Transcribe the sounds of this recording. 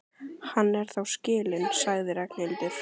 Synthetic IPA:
hanːɛɾ̥θawscɪːlɪnsaɣðɪɾɛknɪlt̪ɪɾ̥

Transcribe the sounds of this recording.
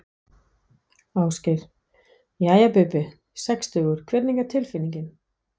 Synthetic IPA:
aːwscɪɾ̥ | iaːjapʏpɪ | sɛkst̪ʏːɣʏɾ̥kʰvɛt̪niŋkat̪ʰɪlfɪniɲcɪn

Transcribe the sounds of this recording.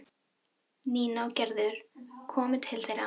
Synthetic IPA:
niːnawcɛɾðʏɾ̥kʰɔːmɪt̪ʰɪlθejɾa

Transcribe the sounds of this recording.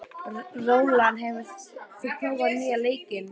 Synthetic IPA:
roːwlanɦɛvɪfɪkʰloːwɣaðmiːjaleːjcɪn

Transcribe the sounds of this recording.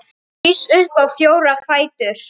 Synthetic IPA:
isʏhpawfjoːwɾafaːjt̪ʏɾ̥

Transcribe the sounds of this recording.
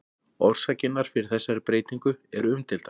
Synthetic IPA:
ɔr̥sacɪnːaɾ̥fɪɾɪɾ̥θɛsːaɾɪpɾeːjt̪iŋkʏɛɾʏmt̪ʰɪlt̪a

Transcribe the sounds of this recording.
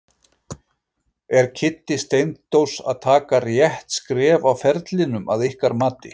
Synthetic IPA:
ɛɾcʰɪt̪ːɪst̪ejnt̪t̪owsa̰ðt̪ʰaːkarjɛht̪skɾɛːvawfɛɾt̪lɪnʏmʔaðɪhkaɾmaːt̪ɪ̰

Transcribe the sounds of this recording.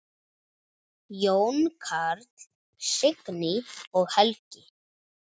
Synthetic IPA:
jownkʰaɾt̪ | sɪknɪɔɣhɛlcɪ

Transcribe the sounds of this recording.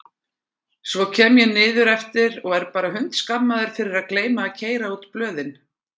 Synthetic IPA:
svɔcʰɛːmjɛnɪːðʏɾɛft̪ɪɾɔɣɛɾpaːɾaɦʏn̥t̪skapmːaðɪɾ̥fɪɾɪɾaðkleːjmaːðcʰeːjɾaut̪plœːðɪn

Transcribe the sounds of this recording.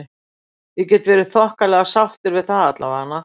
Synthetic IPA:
vɪcɛt̪vɛːɾɪθɔhkalɛɣasawht̪ɪɾvɪðθaðat̪la̰vahanːa

